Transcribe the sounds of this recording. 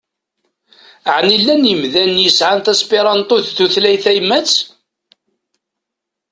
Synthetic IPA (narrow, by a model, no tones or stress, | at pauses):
əʕnilːænjəmðænjəsʕanθæspiɾˤɑnt̪ˤʊθθuθlæjθæjmːæt͡sː